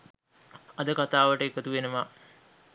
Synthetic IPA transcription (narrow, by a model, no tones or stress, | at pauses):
ɐd̪əkat̪aːʋəʈəkət̪uʋenəʋa